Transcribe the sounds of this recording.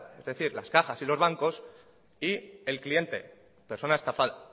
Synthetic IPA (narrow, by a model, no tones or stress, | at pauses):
ezðe̞θiɾla̰skaxasilo̞zβaŋko̞s | ie̞lklie̞nt̪e̞̰ | peɾso̞naest̪afaða